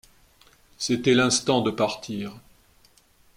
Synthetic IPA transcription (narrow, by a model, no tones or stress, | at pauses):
set̪ɛlɛ̃st̪ɑ̃d̪əpaʁt̪ʰiːʁ